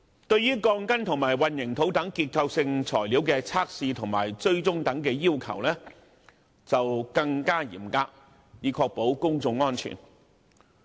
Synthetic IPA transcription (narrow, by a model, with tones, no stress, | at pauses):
t̪ɵ˧ɥjyː˥kɔː˧ŋkɐ˥nt̪ʰʊ˨˩ŋmaː˨˩jwɐ˨˧njɪ˨˩ŋt̪ʰo˨˥wt̪ɐ˨˥ŋkiː˧t̚kʰɐ˧wsɪ˧ŋt͡sʰɔː˨˩jliː˨˥wkɛː˧t͡sʰaː˥k̚siː˧t̪ʰʊ˨˩ŋmaː˨˩jt͡sɵ˥ɥt͡sʊ˥ŋt̪ɐ˨˥ŋkɛː˧jiː˥wkʰɐ̰˨˩wlɛː˥ | t͡sɐ˨wkɐ˧ŋkaː˥jḭː˨˩mkaː˧k̚ | jiː˨˧kʰɔː˧k̚po˨˥wkʊ˥ŋt͡sʊ˧ŋːɔː˥nt͡ʃʰy̰ː˨˩n